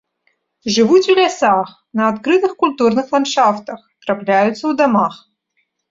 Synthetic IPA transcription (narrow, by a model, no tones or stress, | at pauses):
ʐɨvutʲulʲɛsax | nɐːt̪kɾɨt̪ɨxkʊlʲt̪urnɨxlˠɐnʂaft̪əxt̪rɐplʲæjʊt̪səud̪ɐmax